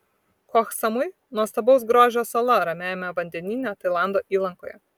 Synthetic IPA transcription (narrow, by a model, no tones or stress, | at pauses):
kɔxsɐmʊɪ | nuɔst̪ɐbɐʊs̬ɡɾoːʒʲoːsɐlˠɐɾɐmʲæːjomʲɛʋɐnʲd̪ʲɛnʲɪnʲɛt̪ɐɪlˠɑˑnd̪oːʔiːlˠɐŋkoːjɛ̰